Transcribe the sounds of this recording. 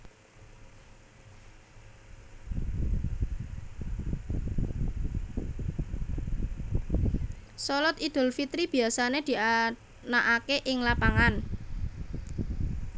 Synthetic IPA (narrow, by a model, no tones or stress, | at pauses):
sɔlɔt̪id̪̥ʊ̤lfit̪ɾib̥i̤asaned̪̥i̤a | naʔakeʔɪŋlapaŋan